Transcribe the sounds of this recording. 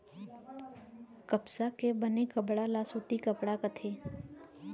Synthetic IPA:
kɐpsakebənekɐpɽalaːsuːt̪ikəpɽakət̪ʰeː

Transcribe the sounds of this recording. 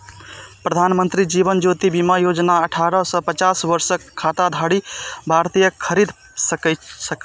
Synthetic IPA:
pɾəd̪ʱanmənt̪ɾid͡ʒiβənd͡ʒot̪ibimajod͡ʒnaəʈʰaɾəsə̃pət͡ʃasbəɾsəkʰːat̪ad̪ʱaɽibʱaɾt̪ijəkʰːəɾid̪ʱ | səksək

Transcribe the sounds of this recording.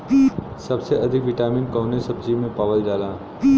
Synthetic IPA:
sɐbseʔɐd̪ʱɪkʋɪʈaːmĩnkɐɦnesɐb̚d͡ʒimẽpaːʋəld͡ʒaːlaː

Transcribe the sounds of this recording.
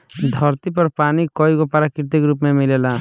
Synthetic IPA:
d̪ʱɔɾt̪ipɐɾpaːnikɔːikopəɾakɪɾt̪ɪkɾuːpmẽmɪleːlaː

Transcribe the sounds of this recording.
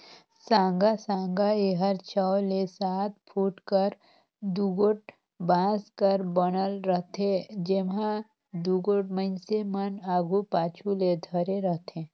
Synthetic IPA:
sãːŋɡasãːŋɡaeɦəɾt͡ʃʰəwlesaːt̪̚pʰuːʈkəɾ | d̪uɡoʈ̚ | bãːskəɾbənəlɾəɦt̪ʰẽd͡ʒemɦã | d̪uɡoʈmənsemənaːɡʱupaːt͡ʃʰuled̪ʱəɾeɾəɦt̪ʰẽː

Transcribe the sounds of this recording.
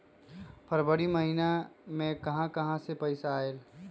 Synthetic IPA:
pʰɐɾbəɽiməɦinamẽkɐɦãkɐɦãsepɐɪsaːeːl

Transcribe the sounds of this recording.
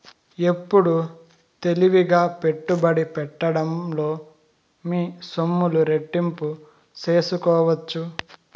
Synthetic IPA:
e̞pːuɽu | t̪e̞liʋiɡaːpe̞ʈːubɐɽipɛʈːɐɽɐmlo̞ː | miːsomːuluɾe̞ʈːimpu | t͡ʃe̞ːsukɔːʋɐt͡ʃːu

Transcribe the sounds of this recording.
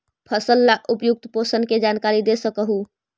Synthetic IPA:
pʰəsəlːaʔupjuk̚t̪posənked͡ʒankaɾid̪esəkəɦu

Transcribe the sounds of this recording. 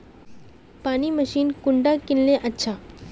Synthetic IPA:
paːnimɐʃiːnkʊɳɖakɪnlẽʔɐtːʃʰaː

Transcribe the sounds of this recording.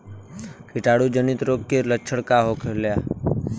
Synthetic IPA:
kɪʈaːɽud͡ʒənɪt̪ɾoːkkːelət͡ʃʰəɽkaɦokʰelja

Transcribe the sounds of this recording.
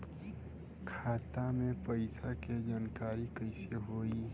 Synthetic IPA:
kʰaːt̪amẽpɐɪsaked͡ʒaːnkaːɾikəɪseɦoːi

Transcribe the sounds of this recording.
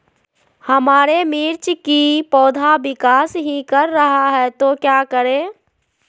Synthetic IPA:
həmaːɾemiːɾt͡ʃkipɔːd̪ʱabɪkaːsɦikəɾːəɦaɦɛt̪okjaːkəɾẽː

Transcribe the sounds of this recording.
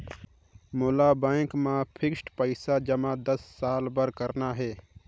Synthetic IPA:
moːlabɛːŋkmãpʰɪksʈpəɪsad͡ʒəmãd̪əsːaːlbəɾkəɾnaɦɛː

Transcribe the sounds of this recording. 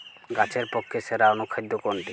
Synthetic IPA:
ɡat͡ɕʰeɾpokʰːeʃeɾaonukʰajd̪ːokoɳʈi

